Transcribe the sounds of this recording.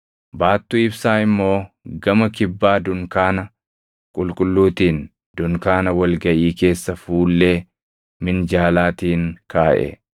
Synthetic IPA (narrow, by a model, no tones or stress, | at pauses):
baːt̪ːʊɪbsaːɪmːo̞ː | ɡɐmɐkɪbːaːd̪ʊŋkaːnɐ | kʼʊlkʼʊlːuːt̪iːn | dd̪̥ʊŋkaːnɐwɐlɡɐʔiːke̞ːsːɐfuːlːeː | mɪnd͡ʒaːlaːt̪iːŋkaːʔɛ̰